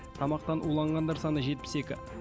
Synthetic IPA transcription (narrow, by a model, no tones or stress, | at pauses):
t̪ʰɑmɑq̚t̪ɑnʔulˠɑɴʁɑnd̪ɑɾsɑnəʒe̞t̪̚pɪ̥se̞kʲɪ